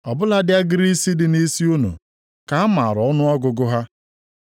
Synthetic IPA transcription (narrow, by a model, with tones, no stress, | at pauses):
ɔ˨bʊ˦la˦dɪ˦a˦ɡɪ˦ɾi˦si˦dɪ˨ni˦si˦u˦nṵ˨ | ka˨a˦ma˨ɾɔ˦nʊ˦ɔ˦ɡʊ˨ɡʊ˦ɦa˦